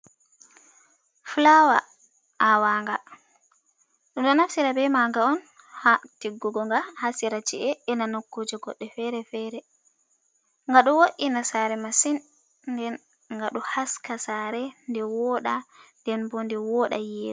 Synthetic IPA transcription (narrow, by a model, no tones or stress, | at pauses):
flawa̰ | ʔawaːŋɡa | ɗɔɗɔnafsiɾabɛmaŋɡaɔn | hatiɡːuɡɔŋɡahasiɾat͡ʃiʔɛʔɛnanokːod͡ʒɔɡɔɗːɛfɛɾɛfɛɾɛ | ŋɡaɗɔwoʔinasaɾɛmasin | dɛn | ŋɡaɗuhaskasaɾɛndɛwɔɗandɛnbɔndɛwɔɗajeːɾu